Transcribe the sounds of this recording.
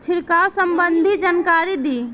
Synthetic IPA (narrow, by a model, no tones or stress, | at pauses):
t͡ʃʰiɾkasəmbənd̪ʱid͡ʒankaɾid̪i